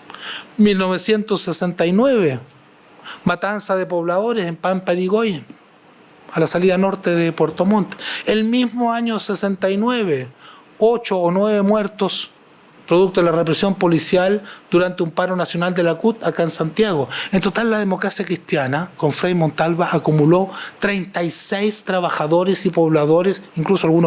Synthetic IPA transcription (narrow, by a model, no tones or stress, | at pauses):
milnoβesje̞nt̪osːesent̪ajnweβe | mat̪ansaðepoβlaðoɾesempampaɾiɣoj | alasaliðano̞ɾt̪eðepweɾt̪omõnt̪e̥elmizmoaɲosesent̪ajnweβe | ot͡ʃoːnweβemweɾt̪os | pɾoðuk̚t̪oðelarepɾesjo̞mpo̞lisjald̪uɾant̪eumpaɾonasjo̞nald̪elakut̪akaensant̪jaɣoent̪o̞t̪alːað̞emo̞kɾasjakɾist̪janako̞ɱfɾajmõnt̪alβaʔakumulo̞t̪ɾe̞jnt̪ajsejst̪ɾaβaxaðo̞ɾesipo̞βlaðo̞ɾesiŋklusoalɣuno